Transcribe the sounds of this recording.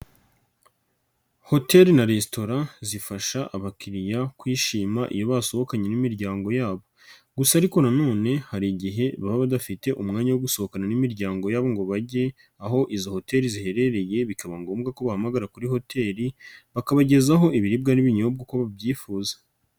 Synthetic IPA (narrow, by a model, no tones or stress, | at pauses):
ho̞te̞ɾinaɾesto̞ɾazifaʃaʔaβakiɾijakwiːʃiːmaʔḭjo̞βaso̞βo̞kaɲe̞nimiɾɟaːŋɡo̞jaːβo̞ | ɡusaːɾiko̞nano̞ːne̞haɾiɟiɦe̞βaβaβadafite̞ʔumŋaːɲawoɡuso̞hokananimiɾɟaːŋɡo̞jaːβo̞ŋɡo̞βaɟe̞ | aɦo̞ʔizo̞ho̞te̞ɾizihe̞ɾe̞ɾe̞je̞βikaβaŋɡo̞ːmɡako̞βahamaɡaɾakuɾiho̞tʰe̞ːɾiβakaβaɟe̞zaɦo̞ʔiβiɾib̚ɡaniβiɲob̚ɡakoβabjiːfuːzḁ